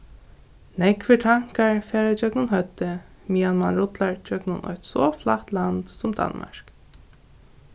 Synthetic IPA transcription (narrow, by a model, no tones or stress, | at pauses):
nɛkfɪʈ̪ʰaŋ̥kaɹfɛːɾad͡ʒœknʊnɦœt̪ːɪ | mijanmanɾʊt̪laɹd͡ʒœknʊnʔɔ̰jht̪sɔflˠaht̪lant̪sʊmd̪a̰nma̰ɹ̥k